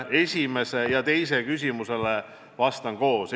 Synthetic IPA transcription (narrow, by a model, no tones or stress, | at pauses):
e̞sʲime̞se̞jɑt̪e̞jse̞kys̬ʲimuse̞le | vɑst̪ɑnko̞ːs